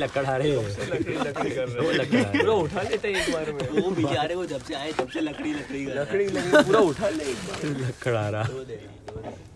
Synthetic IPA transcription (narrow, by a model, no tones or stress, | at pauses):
lɐkːəɽaːɾeɐkɽiɐkiolɐkːuːɾaʊʈʰaleːt̪eɦɛ̃ekbaːɾmʋobʱid͡ʒaːɾeʋod͡ʒɐbseaːet̪ɐbselɐkɽilɐkɽiɡəlɐkɽipuːɾaʊʈʰalelɐkːəɽaːɾaː